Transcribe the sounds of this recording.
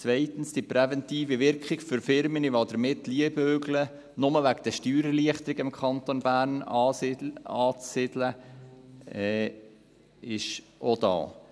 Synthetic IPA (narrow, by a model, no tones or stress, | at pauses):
t͡svɛɪtən̩sd̥ipɾɛvɛntiːviʋɪɾkχɪɡfʏɾfɪɾməniʋod̪əɾmɪtːliəbøːɡlə | nʊməʋækd̥əʃtyːɾəliəχt̪əɾɪɡɪmkʰɑnt̪onbæːɾnɑ | ɑːt͡ssɪdlə | ɛ | ɪʃ | ʔod̥̪ɑ̰ː